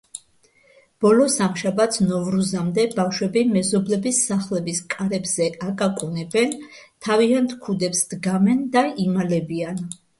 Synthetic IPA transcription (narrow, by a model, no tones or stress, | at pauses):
b̥ɔlɔsamʃabat̪sʰnɔvɾuzamd̪ɛbafʃwɛbimɛzɔblɛbisːaχlɛbiskʼaɾɛbz̥ɛakʼakʼunɛbɛnt̪ʰaviant̪ʰkʰud̪ɛpsd̪ɡamɛnd̪aimalɛbian